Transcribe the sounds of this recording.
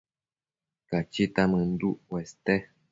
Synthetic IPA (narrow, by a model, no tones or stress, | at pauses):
kat͡ʃit̪amɨn̩d̪uʔwɛst̪ɛ